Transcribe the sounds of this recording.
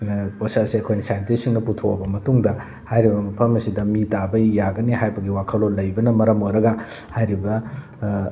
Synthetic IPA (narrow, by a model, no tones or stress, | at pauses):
posasiɐkʰojnɐsajntesiŋnɐputʰokɐ̰bɐmɐtuŋdɐ | hajɾibɐmɐpʰɐmɐsidɐmitabɐjjaɡɐniɦajbɐɡiwakʰɐlolːɐjbɐnɐmɐɾɐmojɾɐɡɐ | hajɾibɐ